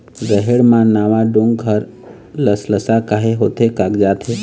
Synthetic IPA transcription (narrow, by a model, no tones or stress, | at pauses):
zəɦeɽmãnaʋaɖũŋɡɡʱəɾ | ləsləsakaɦeɦot̪ʰekaɡd͡ʒat̪ʰe